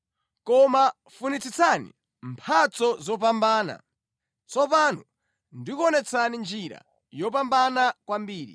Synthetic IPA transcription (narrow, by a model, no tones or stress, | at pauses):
kɔma | funit͡sit͡sʰanḭ | mpʰat͡sɔzɔp̬ambaːna̰ | t͡sɔp̬anu | ndikuɔnɛt͡sʰanind͡ʒiɾa̰ | jɔpambanakwambiːɾḭ